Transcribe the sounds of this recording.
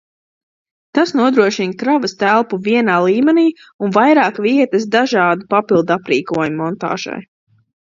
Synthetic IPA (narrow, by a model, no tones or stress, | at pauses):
t̪asnuɔd̪ɾuɔʃinkɾavɐst̪ælˠpuviɛnaːlˠiːmɛniː | unvajɾaːkviɛt̪ɐs̬d̪aʒɑːd̪upapilˠd̪apɾiːkuɔjːɔnt̪a̰ːʒa̰j